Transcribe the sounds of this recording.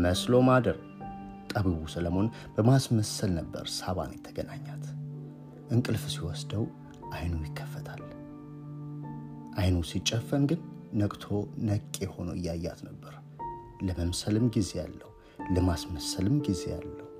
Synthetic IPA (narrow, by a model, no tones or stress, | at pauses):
məslo̞mad̪əɾ | t̪ʼəβiβusələmo̞n | b̥əmasməsəlnəbːə̰ɾsaβa̰njɛt̪ʰːəɡənaɲːat̪ | ʔɨŋkʼɨlfsiwɔsd̪əw | ʔajnujɪkʰːə̥fːət̪ʰal | ʔajnusit͡ʃʼːəfːənɡɨnːəkʼt̪ʰo̞nəkʼːeho̞nəɨjːajːa̰t̪nəbːəɾ | ləməmsəlɨmɡize̞jalːəhu | ləmasməsəlɨmɡize̞̰ja̰lːəhu